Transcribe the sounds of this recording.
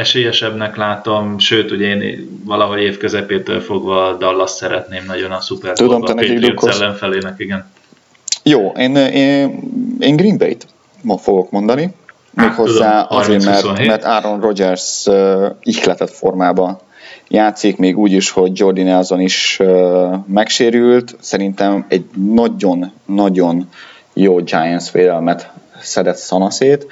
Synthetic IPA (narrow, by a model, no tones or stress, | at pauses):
ɛʃeːjɛʃɛbnɛklaːt̪o̞mʃøːt̪uɟɛeːn | vɒlɒɦo̞ɟeːfkøzɛpeːt̪ø̰lfo̞ɡvɒd̪ɒlːɒsɛɾɛ̰t̪neːmnɒɟo̞nɒsupɛrt̪ud̪omːnɛɟiɡd̪ukʰːolːɛnfɛleːnɛkiɡɛn | joːʔeːne | eːŋɡriːnbḛjt̪ | mɒfo̞ɡo̞kmo̞nd̪ɒni | meːkho̞zːaːɒzeːmɛrmɛrt̪aːɾo̞nro̞d͡ʒɛrsøixlɛt̪ɛt̪fo̞rmaːbɒ | jaːt̪sikmeːɡuːɟiʃho̞ɟd͡ʒo̞rd̪inɛlzoniʃømɛkʃeːɾylt̪sɛɾint̪ɛmɛɟnɒɟo̞nːɒɟo̞n | joːd͡ʒaːjɛnsʋeːd̪ɛlmɛt̪sɛd̪ɛt̪sɒnɒseːt̪